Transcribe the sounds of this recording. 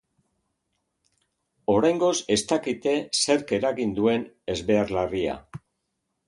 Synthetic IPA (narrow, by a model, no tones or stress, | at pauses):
o̞ɾajŋɡo̞se̞st̪akit̪e̞se̞ɾke̞ɾaɣind̪ue̞n | e̞zβe̞aɾlaria̰